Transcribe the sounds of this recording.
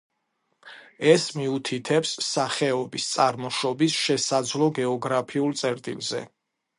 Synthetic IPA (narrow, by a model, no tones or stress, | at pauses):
ɛsmiut̪ʰit̪ʰɛpsːaχɛɔbist̪sʼaɾmɔʃɔbisʃɛsad̪zlˠɔɡɛɔɡɾapʰiulˠt̪sʼɛɾt̪ʼḭlzɛ̰